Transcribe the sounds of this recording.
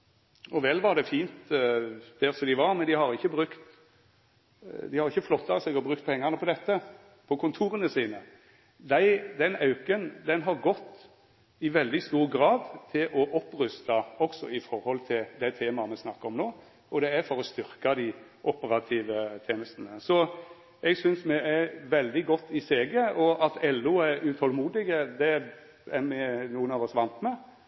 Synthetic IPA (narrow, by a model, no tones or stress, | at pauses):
ɔʋɛlːʋɑɾd̪ɛfiːnt̪ | d̪̥ɛɾsɔd̪ɪʋɑɾmɛnd̪ɪhɑɾɪçːəbɾʉkt̪ | d̪ɪhɑɾɪçːəflɔt̪ːɑsɛɡɔbɾʁʉkt̪pʰɛŋːɑʁnəpʰɔd̪ɛt̪ːə | pʰɔkʰʊnt̪ʰuːɾənəsiːnə | d̪æɪd̪ɛnɑʉkənd̪ɛnɦɑɾɡɔt̪ː | ɪʋɛld̪ɪst̪uːɾɡɾɑːd̪t̪ʰɪlʔɔʔɔpːɾʉst̪ɑɔksɔ̰ɪfɔɾhɔlt̪ʰɪld̪æt̪ʰeːmɑmɛsnɑkːəɾɔmnoː | ɔd̪ɛæɾfɔɾɔst̪ʏɾkɑd̪ɪʔʊpːəɾɑt̪ʰiːʋət̪ʰeːnəst̪nəsɔ | ɛɡsʏnsmɛʔæɾʋɛld̪ɪɡɔt̪ːɪseːɡəɔɑt̪ʰɛlːʉɛɾʉt̪ʰɔlmuːd̪ɪɡəd̪ɛ | ɛɾmɛnuːənɑːʋɔsʋɑnt̪mɛ